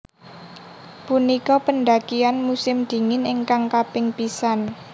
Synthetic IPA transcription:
punikɔpənɖ̪akianmusɪmd̪̥i̤ŋɪnɪŋkaŋkapɪŋpisan

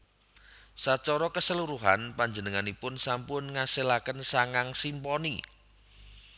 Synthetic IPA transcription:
sat͡ʃɔɾɔkəsəluɾuɦanpaɲd͡ʒənəŋanipʊnsampʊnŋaselakənsaŋaŋsimpɔni

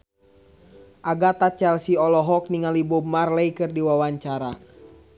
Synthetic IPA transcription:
ʔaɡat̪at͡ʃɛlsiɔlɔɦɔk̚niŋalibɔmarlɛikɨrdiwawaɲt͡ʃaɾa

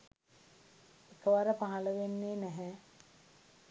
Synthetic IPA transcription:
ekəʋaɾəpaɦaləʋenːeːnɛɦɛ

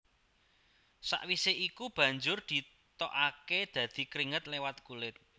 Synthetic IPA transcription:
sa̰ʔwiseʔikub̥ä̤ɲd͡ʒʊrd̪̥i̤ | t̪ɔʔaked̪̥ä̤d̪̥i̤kɾiŋət̪̚lewat̪̚kulɪt̪̚

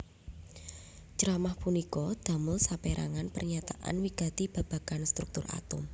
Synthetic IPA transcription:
t͡ʃəɾamahpunikɔd̪̥a̤mʊlsapeɾa̰ŋanpə̰rɲat̪aʔa̰nwiɡ̥a̤t̪ib̥a̤b̥a̤ɡ̥anst̪ɾuk̚t̪ʊrʔa̰t̪ʊm

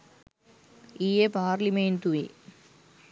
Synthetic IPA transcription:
iepaːɾliment̪uḭ

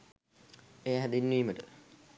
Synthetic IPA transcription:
eːɦæd̪inːiːməʈə

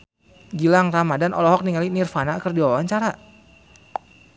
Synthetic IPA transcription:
ɡilaŋramadanʔɔlɔɦɔk̚niŋalinirfanakərdiwawaɲt͡ʃaɾa

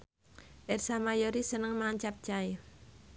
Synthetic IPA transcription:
ʔɛrsamajoɾisənəŋmaŋt͡ʃap̚t͡ʃaj

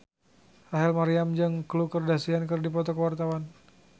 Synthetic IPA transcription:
haɦɛlmaɾiamd͡ʒɨŋklukərdasiankərdipɔt̪ɔkəwart̪awan

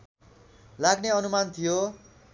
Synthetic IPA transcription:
laɡneʌnumant̪ʰijo

